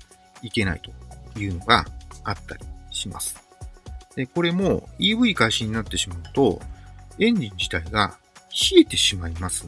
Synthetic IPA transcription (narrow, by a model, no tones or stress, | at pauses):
ike̞na̰it̪o̞̥jɯ̟ːno̞ɡaat̪ːaɾʲiɕima̰sɨ̥ | d̪̥e̞ko̞ɾe̞mo̞iːbɯ̟ikaiɕaɲ̟inat̪ːe̞ɕimaɯ̟t̪o̞ẽ̞ɲ̟d͡ʑĩɲ̟d͡ʑi̥t̪aiɡa̰ | çie̞t̪e̞ɕimaimasɨ